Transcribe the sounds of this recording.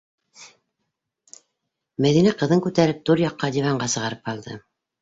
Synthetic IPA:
mæðinæqɤ̆ðɤŋkʉt̪æɾɘp̚t̪uɾjɑqːɑd̪ʲivɑɴɢɑsɤ̆ʁɑɾɤp̚qɑlˠd̪ɤ̰

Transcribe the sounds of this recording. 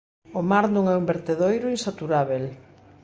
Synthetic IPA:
omaɾnõŋɛumbeɾt̪eðojɾʊinsat̪uɾaβ̞el

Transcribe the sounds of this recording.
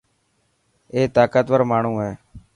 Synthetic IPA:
eːt̪aːkət̪ʋəɾmaːɳ̤ũːɦeː

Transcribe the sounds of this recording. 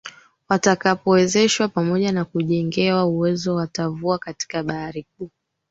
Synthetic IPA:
watakapɔwɛzɛʃwapamɔʄanakuʄɛŋɡɛwauwɛzɔwatavuakati̥kaɓaɾik̚uː

